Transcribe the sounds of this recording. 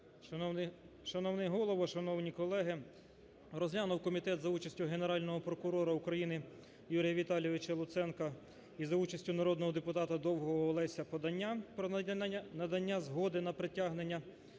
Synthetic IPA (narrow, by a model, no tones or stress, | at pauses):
ʃɐnɔwnɛɦɔlˠɔʋɔʃɐnɔwnʲikɔlˠɛɦɪ | rɔzʲlʲanʊwkɔmʲit̪ɛt̪zɐut͡ʃɐsʲtʲʊɦe̞neɾɑlʲnɔɦɔpɾɔkʊɾɔɾɐukɾɐjinɪ | juɾʲijɐʋʲit̪ɑlʲjɔʋɪt͡ʃɐlˠʊt̪sɛnkɐ | izɐut͡ʃɐsʲtʲʊnɐɾɔd̪nɔɦɔd̪epʊt̪ɑt̪ɐd̪ɔwɦɔɦɔlˠɛsʲɐpɔd̪ɐnʲːapɾɔnɐd̪ɐnʲːazɦɔd̪ɪnɐpɾetʲaɦnenʲːɐ